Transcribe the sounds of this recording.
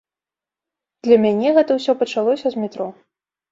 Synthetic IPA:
d̪̥lʲɐmʲanʲɛɣɛt̪ɐwsʲɔpɐt͡ʂalˠɔsʲɐzmʲit̪ɾɔ

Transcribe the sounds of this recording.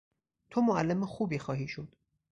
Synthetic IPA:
t̪ʰomoælːemexuːbiːxɒːɦiːʃod̪̥

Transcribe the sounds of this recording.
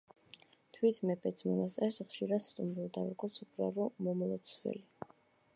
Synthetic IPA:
t̪ʰwit̪ʰmɛpʰʼɛt̪sʰmɔnast̪sʼɛɾsχʃiɾad̪st̪ʼumɾivd̪avɾɡʼɔsupʰʼɾa̰ɾɔmɔmɔlˠɔt̪sʰwɛ̰li

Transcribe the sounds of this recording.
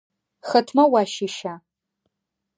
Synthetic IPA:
xətʰmɐwaːʃiʃaː

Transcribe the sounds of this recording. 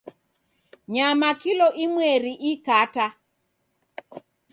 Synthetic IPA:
ɲamakilɔʔimwɛɾiʔikata

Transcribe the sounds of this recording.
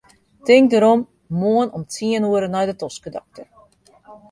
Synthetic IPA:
tɪŋk̚dəɾɔm | moənɔmt͡siənuəɾənɛjdətɔskədɔ̰k̚tə

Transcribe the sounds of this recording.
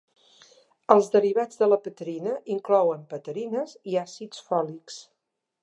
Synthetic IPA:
əlˠzðəriβad͡zðələpət̪əɾinəʔiŋklɔwəmpət̪əɾinəziasit͡sfɔliks

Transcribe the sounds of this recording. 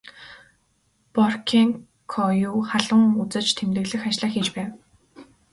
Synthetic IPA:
pɔrkʰiŋ | kʰɔjuːχaɮə̆ŋut͡sɘ̆t͡ɕt̪ʰemt̪ɘ̆ɣɮɘ̆xat͡ɕɮaːxiːt͡ɕpæːw

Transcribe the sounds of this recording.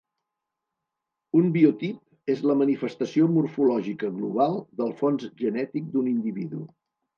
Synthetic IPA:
umbiut̪ip̚ | ezləmənifəst̪əsiomuɾfulɔʒikəɣluβ̞alˠd̪əlˠfonzʒənɛt̪ik̚d̪unind̪iβiðṵ

